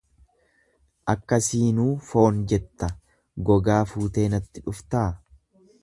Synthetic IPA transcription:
ʔɐkːɐsiːnuːfo̞ːnd͡ʒɛt̪ːɐ | ɡɔɡaːfuːt̪e̞ːnɐt̪ːɪᶑʊft̪aː

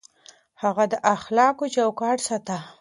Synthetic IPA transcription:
haɣad̪əʔaxlɑkot͡ʃawkɑʈsat̪a

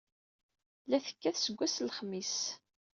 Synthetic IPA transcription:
læθə̥kːæθsəɡʷːæslχmis

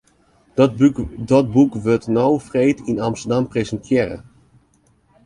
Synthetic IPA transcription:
dɔt̚bukʋøtnowfrejtinamstədamprezəntʰjɪːɾə̰

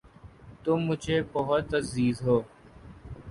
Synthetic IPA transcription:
t̪ʊmːʊd͡ʒʱeːbəɦʊt̪ːəziːzɦoː

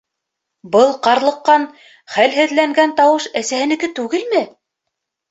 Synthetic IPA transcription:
bɤlˠqɑɾlˠɤ̆qːɑn | χælɦɘ̆ðlæŋɡænt̪ɑwɤʃæsæhɘ̆nɘ̆kɘt̪ʉɡɘlmɘ

